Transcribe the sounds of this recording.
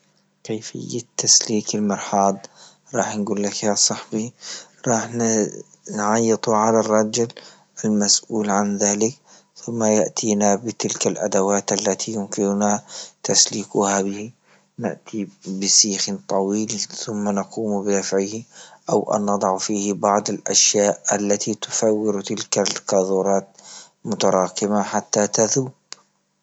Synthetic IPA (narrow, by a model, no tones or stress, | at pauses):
kejfɪ̰jːat̪ʰːasliːkɪlmɑɾˤħɑːd̪ˤ | ɾˤɑːħnɡuːlːakjasˤɑħbiɾˤɑːħn | nʕɑjːɨt̪ˤuʕalarˤːɑd͡ʒɪl | ʔalmasʔuːlʕanðaːlɪk | θʊmːajaʔt̪ʰiːnabɪt̪ɪlkalʔad̪awaːt̪ʔalːat̪ʰijʊmkɪnʊnat̪asliːkʊhabɪh | na̰ʔt̪ibɪsiːxɪnt̪ˤɑwiːlθʊmːanɑquːmbɪd̪afʕɪhʔawʔa̰nːɑd̪ˤɑʕfiːhbɑʕd̪ˤalʔa̰ʃjaːʔʔalːat̪it̪ʊ̥fawːɪɾt̪ɪlkalqɑðˤuːɾˤɑːt̪ | mʊt̪ɑɾˤɑːqɪmaħat̪ːat̪aðuːb